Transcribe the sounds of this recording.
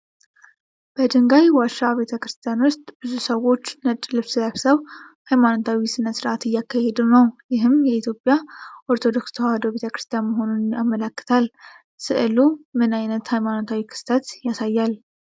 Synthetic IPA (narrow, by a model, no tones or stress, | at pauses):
b̥əd̪ɨŋɡajwaʃaβe̞t̪ʰəkɾɨst̪ʰijanwʊst̪ʼbɨzusəwo̞t͡ʃːnət̪ʼlɨβsɨlaβsəwhajmanot̪ʰawisɨnːət̪sɨɾʔat̪ɨjːakːahed̪ɨnəwjɪɦɨmjɛit̪ʰjo̞pʼjaʔo̞ɾt̪ʰo̞d̪o̞kst̪ʰəwad̪oβe̞t̪ʰəkɾɨ̥st̪ʰijanməɦo̞nunjamːələkːɨ̥t̪ʰal | sɨʔɨlumɨnajnət̪hajmano̞t̪ʰawikʰɨ̥st̪ʰət̪jasajːal